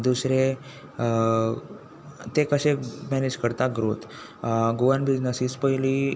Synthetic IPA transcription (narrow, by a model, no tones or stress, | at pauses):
d̪usɾe | t̪ekəɕemɛned͡ʑkəɾt̪aɡɾot̪ | ɡoʋəɾnbid͡ʑnəsiːspəili